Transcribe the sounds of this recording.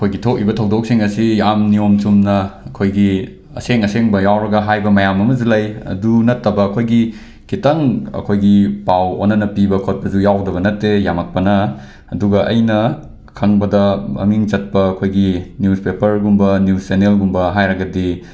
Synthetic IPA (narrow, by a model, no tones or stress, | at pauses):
ɐkʰojɡitʰok̚ibɐtʰɐwdok̚siŋɐsijamniomt͡ʃumnɐɐkʰojɡi | ɐ̰seŋɐseŋbɐjawɾɐɡɐɦajbɐmɐjamɐmɐzulajɐ̰dunɐtːɐbɐːkʰojɡi | kitɐŋɐ̰kʰojɡipawo̰nːɐnɐpibɐkʰot̚pɐzujawdɐbɐnɐtːejamɐk̚pɐnɐ | ɐduɡɐʔɐ̰jnɐ | kʰɐŋbɐdɐmɐ̰miŋt͡ʃɐt̚pɐɐkʰojɡinjuspepɐɾɡumbɐnjussenelɡumbɐɦajɾɐɡɐdi